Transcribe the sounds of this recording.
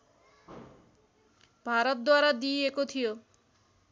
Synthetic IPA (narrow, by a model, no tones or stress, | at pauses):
bʱaɾot̪̚d̪waɾad̪iekot̪ʰio